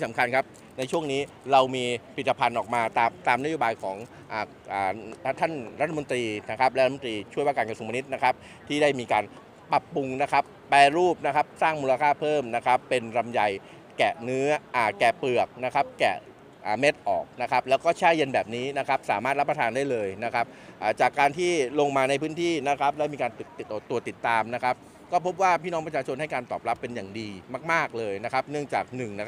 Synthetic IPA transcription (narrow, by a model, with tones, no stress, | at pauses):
t̪ʰi˥˩sa˩˦mkʰa˧nkʰa˦˥p̚ | na˧jt͡ɕʰu˥˩əŋniː˦˥ | ɾa˧wmiː˧pʰi˨˩t̪̚ːa˧pʰa˧nʔɔː˨˩k̚maː˧t̪aː˧mt̪aː˧mna˦˥joː˧baː˧jkʰɔː˩˦ŋ | ʔaː˨˩ | ʔaː˨˩˥t̪ʰa˥˩nɾa˦˥t̪ʰa˧mo˧nt̪ɾiː˧na˦˥kʰa˦˥p̚lɾʰa˧˩o˧nt̪ɾiː˧t͡ɕʰu˥˩jwaː˥˩kaː˧nka˧su˧ma˧ni˦˥t̪̚na˦˥kʰa˦˥p̚ | t̪ʰiː˥˩daː˥˩jmiː˧kaː˧n | pa˨˩pːu˧ŋna˦˥kʰa˦˥pːɛː˧ɾuː˥˩p̚na˦˥kʰa˦˥p̚saː˥˩ŋmuː˧la˧kʰaː˥˩pʰɤː˥˩mna˦˥kʰa˦˥pːe˧nɾa˧mja˧˩j | kɛː˨˩nɯ˦˥ɐʔaː˨˩kɛː˨˩pɯ˨˩ək̚na˦˥kʰa˦˥p̚kɛ̰ː˨˩ | ʔaː˨˩me˦˥t̪̚ʔɔ̰ː˨˩k̚na˦˥kʰa˦˥p̚lɛː˦˥wkɔː˥˩t͡ɕʰaː˥˩je˧nbɛː˨˩p̚niː˦˥na˦˥kʰa˦˥p̚sa̰ː˨˩˦maː˥˩t̪̚la˦˥pːɾa˧t̪ʰaː˧ndaː˥˩jlɤː˧jna˦˥kʰa˦˥p̚ʔaː˨˩t͡ɕaː˨˩kːaː˧nt̪ʰiː˥˩lo˧ŋmaː˧na˧jpʰɯː˦˥nt̪ʰiː˥˩na˦˥kʰa˦˥p̚lɛː˦˥miː˧kaː˧npɯ˨˩k̪̚ːt̪u˧ɐt̪i˨˩t̪ːaː˧mna˦˥kʰa˦˥p̚ | kɔː˥˩pʰo˦˥p̬̚waː˥˩pʰiː˥˩nɔː˦˥ŋpɾa˧aː˧t͡ɕʰo˧nha˥˩jkaː˧nt̪ɔ̰ː˨˩p̚la˦˥pːe˧njaː˨˩ŋdiː˧maː˥˩k̚maː˥˩k̚lɤː˧jna˦˥kʰa˦˥p̚nɯ˥˩əŋt͡ɕaː˨˩k̚nɯ˨˩ŋna˦˥